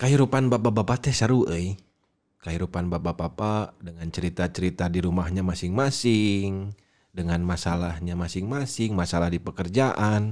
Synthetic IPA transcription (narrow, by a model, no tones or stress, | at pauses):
kaɦiɾupanbapabapat̪ɛhsəɾuʔəj | kaɦiɾupanbabapapadəŋant͡ʃəɾit̪at͡ʃəɾit̪adiɾumahɲamasɪŋmasɪŋ | dəŋanmasalahɲamasɪŋmasɪŋmasalahdipəkərd͡ʒaʔan